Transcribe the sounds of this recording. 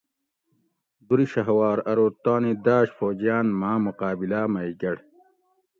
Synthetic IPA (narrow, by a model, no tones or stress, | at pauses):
d̪uɾiɕɐɦwaːɾɐɾoːt̪aːnid̪aːɕfoːd͡ʑjaːnmaːmuqaːbilaːmɐiɡɐɽ